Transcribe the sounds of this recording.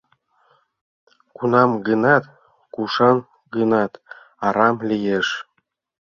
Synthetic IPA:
kunɑmɡənɑt̪ | kuʃɑn | ɡənɑt̪ | ɑɾɑmlʲijeʃ

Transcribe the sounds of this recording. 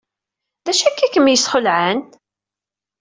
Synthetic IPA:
ðæʃækːækːəmjəsχəlʕən

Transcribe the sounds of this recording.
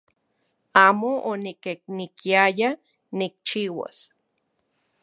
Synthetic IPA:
aːmoonikek̚nikiaja | nik̚t͡ʃiwa̰s

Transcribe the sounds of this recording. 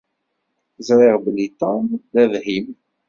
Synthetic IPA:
zɾˤɪʁblit̪ɑnðæðhim

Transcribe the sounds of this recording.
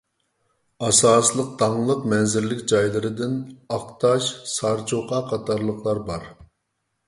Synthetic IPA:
ɑsɑːslˠəq̚t̪ɑŋlˠəqmɛnzɪɾlɪkʲd͡ʒɑjlˠɨɾɨd̪ɪnɑqt̪ʰɑʃsɑɾt͡ʃʰoqɑqʰɑt̪ʰɑɾlˠəqʰlˠɑɾbɑɾ

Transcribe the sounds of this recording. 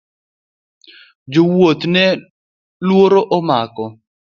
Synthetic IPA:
d͡ʒowot̪nɛ | lwoɾoʔɔmakɔ

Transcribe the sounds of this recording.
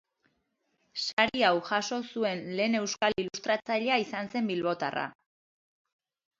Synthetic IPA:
saɾiawʝaso̞sue̞nle̞ːne̞wskalilust̪ɾat͡saʎeaisanse̞mbilβo̞t̪a̰ra̰

